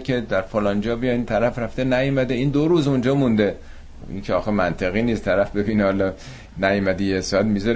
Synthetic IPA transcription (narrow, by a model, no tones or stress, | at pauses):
kʲʰe̞d̪æɾfolɒnd͡ʒɒːbijɒint̪ʰæɾæfɾæft̪enæjmæd̪eiːnd̪oɾuːzund͡ʒɒːmund̪e | ḭncʰeɒːxemænt̪ʰeɣiːniːst̪ʰæɾæfbe̞biːnehɒlɒ | næjmæd̪ijesɒæt̪mizɒɾ